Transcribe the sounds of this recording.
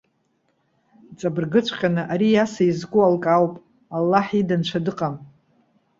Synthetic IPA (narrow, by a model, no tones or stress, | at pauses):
t͡sʼabɨrɡɨt͡ɕʷʰqʲʼanɨʔaɾijasaizɡʷʊalkʼawpʼ | alːaħidant͡ʃʷʰadɨqʼam